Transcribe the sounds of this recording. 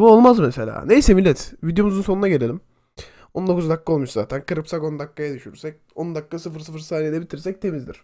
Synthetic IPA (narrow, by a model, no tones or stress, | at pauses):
buo̞lˠmazmese̞lʲa̰ːne̞jsɛmilʲːɛt̪vid̪jo̞muzunso̞nunaɟe̞lʲe̞lʲim | ond̪o̞kuzd̪akːao̞lˠmuʃza̰ːt̪ʰænkʰɯɾɯpsaɡo̞nd̪akːajad̪yʃyɾy̰ɾsɛc̚ | ond̪akːasɯfɯɾsɯfɯɾsaːnij̪ʲeit̪ʰiɾsɛc̚t̪ʰe̞mizd̪ḭɾ̥